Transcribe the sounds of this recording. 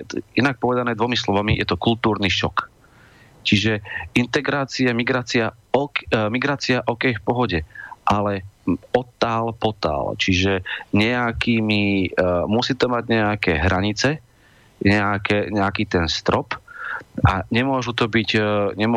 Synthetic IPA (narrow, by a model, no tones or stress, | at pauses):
inak̚pɔʋɛd̪anɛːd̪ʋɔmislɔʋamijɛ̰t̪ɔkult̪uːɾniʃɔ̰k | t͡ʃiʒɛint̪ɛɡɾaːt͡siamiɡɾaːt͡sia | ɔkmiɡɾaːt͡siaʔɔkɛjfpɔɦɔɟɛʔalɛɔt̪ːaːlpɔt̪a̰ːlt͡ʃiʒɛɲɛakiːmimusiːt̪ɔmaɟɲɛakɛːɦɾaɲit͡sɛ | ɲɛakɛɲɛakiːt̪ɛnst̪ɾɔp | aɲɛmʊɔʒut̪ɔbiɟɲɛm